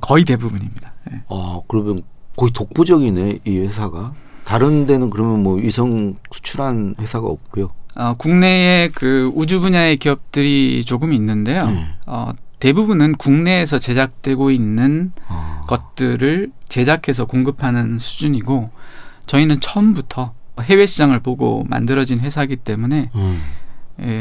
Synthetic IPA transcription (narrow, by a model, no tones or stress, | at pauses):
kʌit̬e̞bubuɲimɲidaje̞̰akɯɾʌmjʌnkʌitok̚p͈od͡ʑʌɡine̞iwe̞sʰaɡataɾɯnde̞nɯnkɯɾʌmjʌnmwʌisʰʌŋsʰu̥t͡ɕʰuɾanɸe̞sʰaɡa̰ʌp̚k͈ujoʌkuŋne̞e̞kɯud͡ʑubuɲae̞kiʌp̚t͈ɯɾit͡ɕoɡɯminːɯnde̞joʌ̰te̞bubunɯnkuŋne̞ːsʰʌt͡ɕe̞d͡ʑak̚t͈we̞ɡoinːɯnkʌt̚t͈ɯɾɯɭt͡ɕe̞d͡ʑakʰe̞s̬ʰʌkoŋɡɯpʰanɯnsʰud͡ʑuɲiɡot͡ɕʌinɯnt͡ɕʰʌmbutʰʌɦe̞we̞ɕʰit͡ɕ͈aŋɯɭpoɡo̰ma̰ndɯɾʌd͡ʑinɸwe̞sʰaɡit͈e̞mune̞ | je